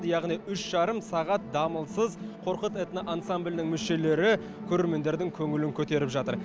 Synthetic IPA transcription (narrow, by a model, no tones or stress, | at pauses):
jɑʁnijʏʃʒ̥ɑɾəmsɑʁɑt̪̚d̪ɑməlˠsəzqʰo̞ɾqət̪et̪ɪnɪʔansamblʲnɪŋmʏʃe̞le̞ɾɪ | kʲʰɵɾe̞ɾme̞nd̪e̞ɾd̪ɪŋkʲʰɵŋɪlɪŋkʲʰɵt̪e̞ɾɪpʒɑt̪əɾ